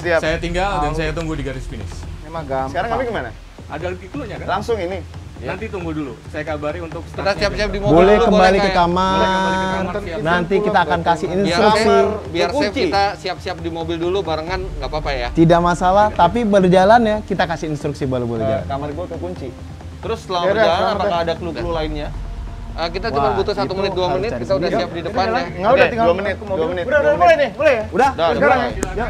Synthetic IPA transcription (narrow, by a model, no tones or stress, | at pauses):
siasajat̪iŋɡaldansajat̪uŋɡʊldiɡaɾɪspinɪ̰snimaɡasəkaɾaŋapiɡimana̰ | adalkikuluɲakalaŋsʊŋini | nant̪it̪uŋɡʊldulusajakabaɾiunt̪ʊkkit̪asiap̚siap̚dimobolɛhkəbalikəkama | rnnant̪ikkiaːkankasɪinsst̪ɾuksibiarkuapt͡ʃiit̪asiap̚siap̚dimobɪldulubaɾəŋanɡapapajat̪idaʔmasalaht̪ap̬ibəlrd͡ʒalanjakit̪akasɪinst̪ɾuksibəlubəld͡ʒa̰la̰nkamarɡuak̪əkuɲt͡ʃi | t̪əɾʊsəlamaakaːdakluklulaɪnɲa | ʔəkit̪atibanbut̪usat̪umənɪt̪̚duamənɪt̪̚kit̪audaap̚didətp̪analaiŋɡaudat̪iŋɡaluamənɪt̪̚duamənɪtudadamolanɪbolɛjudahdakaɾaŋa